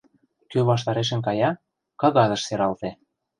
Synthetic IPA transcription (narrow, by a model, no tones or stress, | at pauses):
køβɑʃt̪ɑɾeʃ̬ə̆nkɑjɑ | kɤ̆ɣɑðə̆ʃseɾɑlt̪ĕ